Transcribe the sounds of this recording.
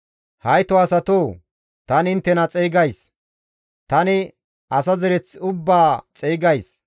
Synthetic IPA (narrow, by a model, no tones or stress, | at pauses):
hɐjt̪ɔɐsɐt̪oː | t̪ɐnɪnt̪ːɛnɐt͡sʼɛːɡɐjs | t̪ɐnɪ | ɐsɐzɛɾɛt͡sːʊbːaːt͡sʼɛːɡɐjs